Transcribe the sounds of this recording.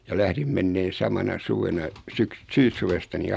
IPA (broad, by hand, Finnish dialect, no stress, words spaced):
jɑ læhrim menːeːn̞ sɑmɑnɑ suʋenɑ syks syːsːuʋestɑ ni